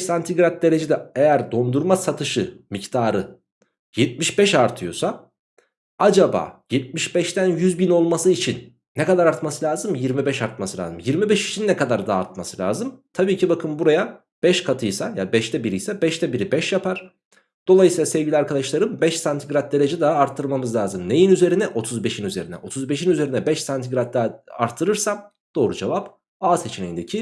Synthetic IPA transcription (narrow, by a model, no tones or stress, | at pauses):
ʃsant̪ʰiɡɾat̪̚d̪e̞ɾe̞d͡ʒed̪ɛejæɾd̪o̞nd̪uɾmasat̪ʰɯʃɯmict̪ʰaːɾɯ | jɛt̪̚miʃbɛʃaɾt̪ʰɯjo̞̰sa | ad͡ʒaba̰ːjɛt̪̚miʃbɛʃt̪ænjyzbino̞lˠmasɯit͡ʃʰinː | ɛkad̪aɾaɾt̪masɯlʲaːzɯmjiɾmibɛʃaɾt̪̚masɯlʲa̰ːzɯmjiɾmibɛʃi̥t͡ʃʰinːɛkad̪aɾd̪aːɾt̪̚masɯlʲa̰ːzɯmt̪ʰabiːcʰibakʰɯmbuɾaja | b̥ɛʃkʰat̪ʰɯjsajabɛʃt̪ʰɛbiɾijsɛbɛʃt̪ɛbiɾibɛʃjapʰaɾ̥ | d̪̥o̞lˠajɯsiːlˠasɛvɟilʲiaɾkʰad̪aʃlˠaɾɯmbɛʃsant̪ʰiɡɾat̪̚d̪elʲe̞d͡ʒɛd̪aɦaːɾt̪ʰːɯɾˠmamɯzlʲaːzɯmne̞jinyze̞ɾinɛʔo̞t̪ʰuzbe̞ʃinyze̞ɾinɛ̰ʔo̞t̪ʰuzbe̞ʃinyze̞ɾinɛbɛʃsant̪ʰiɡɾat̪̚d̪aa̰ɾt̪ʰːɯɾɯɾsam | d̪̥o̞ːɾud͡ʒevap | aːze̞t͡ʃʰinejind̪ecʰi